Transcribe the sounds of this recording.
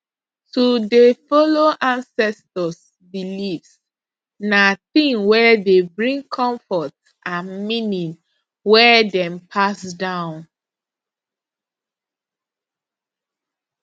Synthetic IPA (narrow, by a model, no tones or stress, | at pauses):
tudefɔloʔãnsɛstɔs | bilivs | naθĩŋwɛdebɹĩŋkʰɔ̃ɱfɔt | ʔãnmĩnĩn | wɛdɛ̃mpʰasdãʊ̃n